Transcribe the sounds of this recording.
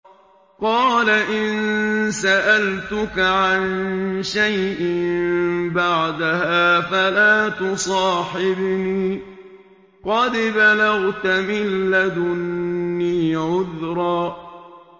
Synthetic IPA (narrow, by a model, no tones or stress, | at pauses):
qɑːlaʔɪnsaʔalt̪ʊkaʕanʃajʔɪmbaʕd̪ahaːfalaːt̪ʊsˤɑːħɪbniː | qɑd̪balaɣt̪amɪlːad̪ʊnːiːʕʊðɾˤɑː